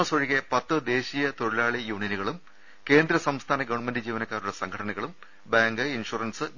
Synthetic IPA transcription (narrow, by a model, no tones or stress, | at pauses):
ɐsoɻiɣepɐt̪ːɨd̪e̞ːɕijɐt̪o̞ɻilaːɭijuːɳijɐnuɣɐɭum | ke̞ːnd̪ɾɐsɐmst̪ʰaːnɐɡɐʋɐɳmendid͡ʑiːʋɐnɐkːaːɾuɽɐsɐŋkʰɐʈʰɐnɐɣɐɭum | baːŋɡɨinʂuːrɐnsɨ